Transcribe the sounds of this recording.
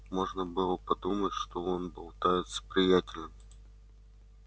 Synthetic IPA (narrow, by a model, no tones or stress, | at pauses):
mo̞ʐnəbɨlˠəpɐd̪umətʲʂt̪oonbɨlˠt̪ajʲɪt̪sə̥pɾʲɪjætʲɪlʲnɨm